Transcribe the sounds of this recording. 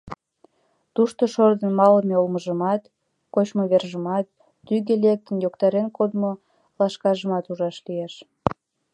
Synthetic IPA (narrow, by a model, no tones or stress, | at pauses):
t̪uʃt̪oʃord̪ənmɑləmeolməʒəmɑt̪ | kot͡ɕmoβerʒəmɑt̪ː | yɣelek̚t̪ənjokt̪ɑɾenkod̪mo | lɑʃkɑʒəmɑt̪uʒɑʃlieʃ